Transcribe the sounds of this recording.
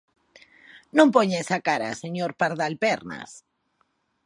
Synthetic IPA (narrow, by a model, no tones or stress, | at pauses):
nõmpoɲesakaɾa̰seɲoɾpaɾðalpeɾna̰s